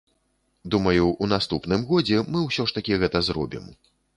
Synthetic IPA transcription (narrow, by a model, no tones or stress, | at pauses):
d̪umɐjuːnast̪upnɨmɣɔd͡zʲɛmɨwsʲɔʂt̪ɐkʲiɣɛt̪ɐzɾɔ̰bʲḭm